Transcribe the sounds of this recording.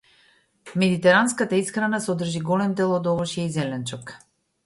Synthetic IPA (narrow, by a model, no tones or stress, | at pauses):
mɛd̪it̪ɛɾanskat̪aisxɾanasɔd̪r̩ʒiɡɔlɛmd̪ɛlˠɔd̪ɔvɔʃiaizɛlɛnt͡ʃɔk